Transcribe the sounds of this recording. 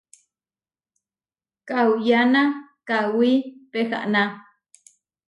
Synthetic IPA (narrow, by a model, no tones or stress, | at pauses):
kawjanakawipexa̰ʔna